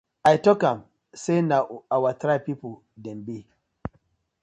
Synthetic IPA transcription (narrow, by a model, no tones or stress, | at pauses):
ʔajtɔkam | senaʔuawatɾapipu | dɛmbi